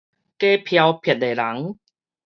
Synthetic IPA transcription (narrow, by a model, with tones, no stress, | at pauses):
keː˦pʰja˧wpʰi˨˩t̚le˨˩la˨˩˦ŋ